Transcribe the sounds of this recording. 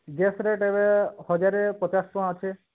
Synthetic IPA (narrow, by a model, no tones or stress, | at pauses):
ɡesɾeʈebehɔd͡ʒaɾepɔt͡ʃastɔ̃at͡ʃʰe